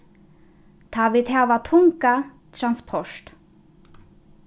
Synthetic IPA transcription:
t̪ʰaːʋɪt̪hɛːʋat̪ʰʊŋka | t̪ʰɾanspʰɔʂt̪

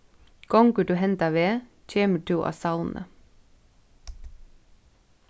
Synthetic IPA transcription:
ɡ̥ɔŋɡʉɖʉːhɛnt̪ɑʋeː | c͡çʰeːməʈʰuːʔɑ̰ːsɑʊnʔə̰

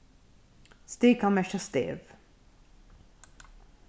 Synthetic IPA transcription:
st̪eːkʰɑnmɛʃəst̪ḛːʋ

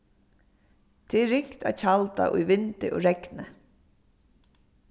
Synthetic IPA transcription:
t̪ʰɪɹɪŋ̥kt̪a̰t͡ɕʰalt̪a̰ʔʊjʋɪnt̪ɪʔo̰ːɹɛknə

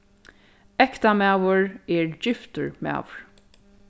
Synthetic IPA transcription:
ɛkt̪amaːwʊɹɛɹd͡ʒɪft̪ʊɹma̰ːvɹ̥

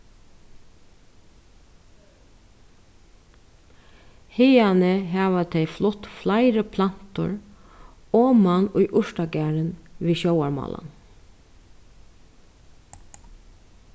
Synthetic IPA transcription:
heɪɑnəɦɑːʋət̪ʰɛɪflʊt̪flaɪɾəpʰlɑn̥t̪ʊ̰ɹ | oːmɑnʊʏʔʊʃʈɑɡæːɹənʋiːʃoʊaɹmɑ̰ːlɑ̰n

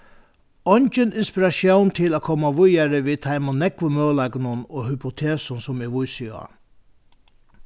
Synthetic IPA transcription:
ɔnt͡ʃənʔɪnspɪɾɑʃjɑːnt̪ʰɪloːkʰɔmɑʋʊjæɾəʋiːt̪ʰɑɪmɔnɛkʋəmøːlɑɡnənoːhʏpʊt̪ʰeːsɔnsɔmeːʋʊjsyɑ̰

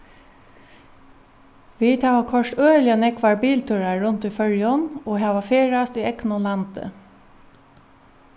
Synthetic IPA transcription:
ʋiːt̪hɑːʋɑkʰɔʃʈøːlɪɑnɛkʋɑɹbiːlt̪ʰʉɹɑɹʉnt̪iːfœɹjɔnoːɦɑːʋɑfeːɹɑst̪iːʔɛknʊlɑnt̪ə̰

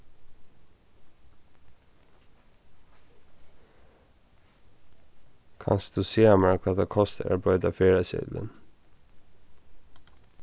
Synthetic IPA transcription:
kʰɑ̰nsd̪̥ʉːseːɑmɑkʰɑːd̪ɑkʰɔst̪əʔæ̰bɽœʏd̪ɑːfeːɹəsɪ̰d̪lə̰n

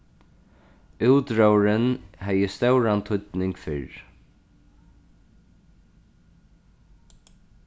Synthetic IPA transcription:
uwt̪ɹowɹɪnɦɛjəst̪œwɹant̪ʰʊt̪nɪŋkfɪ̰ɹ

